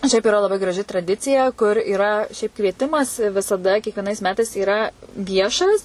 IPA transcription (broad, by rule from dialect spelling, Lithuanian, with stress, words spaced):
ˈʃʲɛɪp ɪˈrɐ lˠɐˈbɐɪ ɡrɐˈʒʲɪ trɐˈdʲɪt͡sʲɪjɛ kʊr iːˈrɐ ʃʲɛɪp kʋʲiɛˈtʲɪmɐs ʋʲɪsɐˈdɐ kʲiɛkʋʲiɛˈnɐɪs ˈmʲæːtɐɪs iːˈrɐ ˈʋʲiɛʃɐs